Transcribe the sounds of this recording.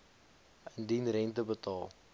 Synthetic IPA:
əndinrɛntəbətɑːlˠ

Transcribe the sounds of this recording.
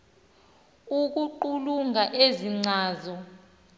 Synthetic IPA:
uk̬uǃuluŋaʔeziŋ͡ǀʱaːzɔ

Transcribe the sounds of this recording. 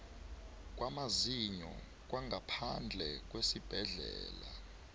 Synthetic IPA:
k̬ʼwamaziɲɔ̰ | k̬ʼwaŋɡapʰand͡ɮʱɛk̬ʼwesib̥ʱɛɮɛːla

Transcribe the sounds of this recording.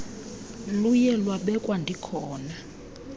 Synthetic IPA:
lujɛlwaɓɛkʼwandʱikʰɔːna

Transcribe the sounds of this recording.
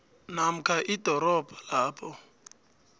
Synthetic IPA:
nam̩kʰʼaʔidʱɔɾɔbʱalaːpʰʼɔ

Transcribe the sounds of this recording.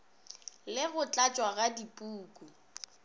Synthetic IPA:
lɪɣʊt͡ɬʼat͡ʃʼwaɣadipʼuːkʼu

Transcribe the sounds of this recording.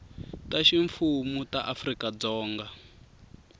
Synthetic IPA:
taʃiɱfumutaʔafrikad͡zɔːŋɡa

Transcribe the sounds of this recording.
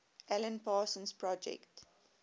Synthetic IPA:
ʔɛlə̃npaːsə̃nspɹɔd͡ʒɛ̰kt

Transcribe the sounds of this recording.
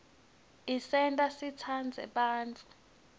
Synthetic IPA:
isɛntʼasit͡sʰand͡zʱɛ̰ɓaːnt͡fʰʼu̥

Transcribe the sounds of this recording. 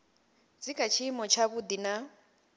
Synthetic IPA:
d͡zikʰat͡ʃʰimɔt͡ʃʰaβud̪ina

